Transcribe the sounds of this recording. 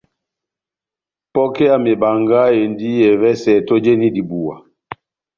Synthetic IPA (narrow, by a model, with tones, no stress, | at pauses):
pɔ˦kɛ˦a˨me˨ba˨ŋɡa˦e˨ndi˦ɛ˨vɛ˦sɛ˨to˦d͡ʒe˦ni˦di˨bu˨a˨